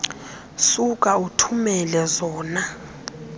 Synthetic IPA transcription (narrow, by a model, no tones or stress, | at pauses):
sukʼautʰumɛlɛzɔːna